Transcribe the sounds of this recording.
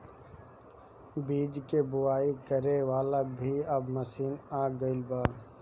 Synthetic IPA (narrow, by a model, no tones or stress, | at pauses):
biːd͡ʒkebʊwaːikəɾeʋaːlabʱiɐbmɐsiːnaːɡɐɪlbaː